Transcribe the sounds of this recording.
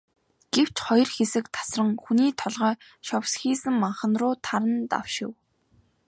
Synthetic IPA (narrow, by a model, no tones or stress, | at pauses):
ɡ̥ew̥t͡ɕχɔjɞ̆rxesɘ̆kt̪ʰḁsrə̆ŋxuniːt̪ʰɔɮʁœː | ʃɔwsxiːsɘ̆ŋmaɴχə̆nrʊːt̪ʰaɾə̆nt̪a̰w̥ʃɪ̆w